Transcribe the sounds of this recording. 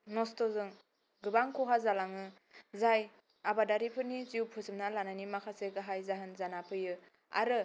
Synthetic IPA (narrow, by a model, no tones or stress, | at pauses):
nɔstɔzɯŋ | ɡɯbaŋkʰuɦazalaŋɯ | zaj | abadaɾipʰɯniziuwpʰusɯmnalanajnimakʰaseɡaɦajzaɦɯnzanapʰɯjɯ | a̰ɾɯ